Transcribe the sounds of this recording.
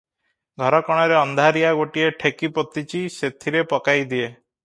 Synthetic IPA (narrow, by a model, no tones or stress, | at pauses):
ɡʱɔɾɔkɔɽ̃ɔɾeɔnd̪ʱaɾijaɡoʈieʈʰekipɔt̪it͡ʃiset̪ʰiɾepɔkajd̪ie